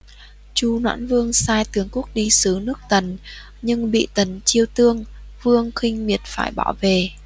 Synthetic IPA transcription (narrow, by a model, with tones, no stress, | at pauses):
t͡ɕu˧nwa̰ː˧˥nvɨ˧əŋsaː˧jt̪ɨ˨˩əŋku˦˥ək̚ɗi˧sɨ˨˦nɨ˦˥ək̚t̪ə˨˩n | ɲɨ˧ŋɓḭ˧˨t̪ə˨˩nt͡ɕi˧əwt̪ɨ˧əŋvɨ˧əŋxï˧ŋ̟mi˨˩ət̚faː˧˩jɓaː˧˩wve˨˩